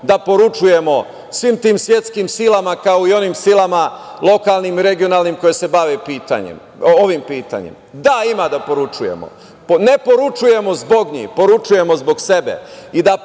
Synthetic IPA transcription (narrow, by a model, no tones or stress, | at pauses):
d̪apo̞ɾut͡ʃuje̞mo̞ | sʋiːmt̪iːmsʋje̞t̪skimsilamakaoio̞nimsilama | lˠo̞kalˠnimiɾe̞ɡio̞naːlnimko̞jese̞baʋepiːt̪a̰ɲḛm | oʋimpiːt̪a̰ɲḛmd̪aimad̪apo̞ɾut͡ʂujḛmo̰ | pne̞po̞ɾut͡ʃuje̞mo̞zbo̞ɡɲḭpo̞ɾut͡ʃuje̞mo̞zbo̞ɡse̞be̞̰id̪a